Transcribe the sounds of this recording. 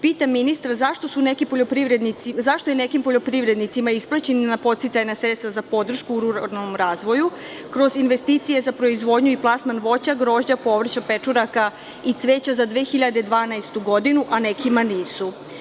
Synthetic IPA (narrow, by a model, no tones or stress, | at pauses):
piːt̪aminist̪ɾazaʃt̪o̞sunekipo̞ʎo̞pɾiʋɾed̪nit̪izaʃt̪oje̞ne̞kimpoʎo̞pɾiʋɾe̞d̪nit̪simaisplˠat͡ɕennapo̞t̪sit̪sajnasɾest̪azapo̞d̪r̩ʃkuːɾuɾanomɾaːzʋo̞ju | kɾo̞zinʋe̞st̪iːt̪sije̞zapɾo̞izʋo̞ːd̪ɲuiplˠasmanʋo̞t͡ɕaɡɾo̞ːʒd͡ʑapo̞ʋr̩t͡ɕapet͡ʂuɾaka | isʋe̞ːt͡ɕazad̪ʋeːxiʎad̪ed̪ʋaːnajst̪uɡo̞d̪inuʔane̞kimaniːsu